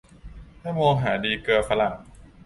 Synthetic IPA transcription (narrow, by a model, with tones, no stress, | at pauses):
tʰaː˥˩moː˧ŋɦaː˩˦diː˧kɯ˧ɐfa˧la˨˩ŋ